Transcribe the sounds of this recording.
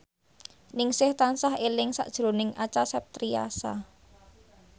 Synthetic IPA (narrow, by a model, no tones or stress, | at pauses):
nɪŋsɪht̪ansaɦelɪŋsa̰ʔd̥ʒ̥ɾonɪŋʔat͡ʃasɛp̚t̪ɾia̰sa̰